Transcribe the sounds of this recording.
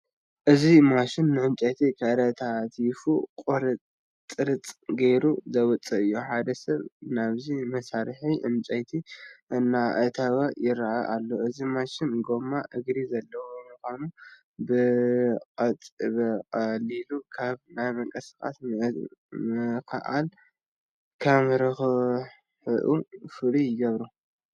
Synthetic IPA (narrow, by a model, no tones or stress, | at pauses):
ʔɨzimaʃɪnːɨʕɨmt͡ʃʼɐjt̪ʰikʰɐɾɐt̪ʰat̪ʰfukʼoɾɐ | t͡s̪ʼɨɾɨt͡sʼɡejɾuzɐwɔt͡sʼːɐɨjːoħad̪ɐsɐβnaβzimɐsaɾħiʔɨmt͡ʃʼɐjt̪ʰiʔɨnːaʔɐt̪ʰɐwɐjɪɾaʔaʔalːoʔɨzimaʃɪnɡo̞maʔɨɡɾizɐlːɐwomɨkʷanu | bɨkʼɐt̪ʼβɐkʼɐlilukʰaβnajmɐŋkʼɐskʼa̰s | mɨkʰa̰ʔa̰l | kʰɐmɾɐxɨ | ħɨʔufɨɾijɪɡɐβɾu